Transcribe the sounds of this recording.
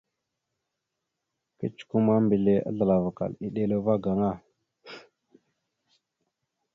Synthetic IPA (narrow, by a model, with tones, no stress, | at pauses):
kə˦t͡ʃu̥˨ku˦ma˦mbi˨le˨ʔa̰˦ɮə˨la˨va˨ka̰˨li˦ɗe˦lo˦va˦ɡa˨ŋa˦˨